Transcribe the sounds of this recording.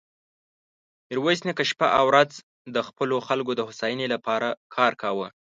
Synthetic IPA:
ɪɾwasnekəʃpaʔawɾaz | d̪əxpəloxalɡod̪əhʊsɑjənelapɑɾakʰɑɾkawə

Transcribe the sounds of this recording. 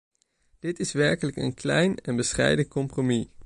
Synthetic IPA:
d̥ɪtɪsʋɛɹkələkə̰nklɛjnɛnbəsχɛ̰jdənkɔmpromi

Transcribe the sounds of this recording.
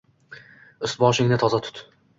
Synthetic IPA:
ʊst̪bɒʃɪŋnɪt̪ʰɒzat̪ʰʊ̥t̪

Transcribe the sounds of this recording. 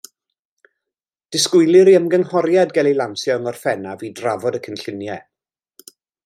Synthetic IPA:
d̥ɪskʊɨlˠɪɾiəmɡənhɔrjadɡɛlˠilˠansjɔŋɔrfɛnaviːdravɔdəkʰənɬɪnjɛ

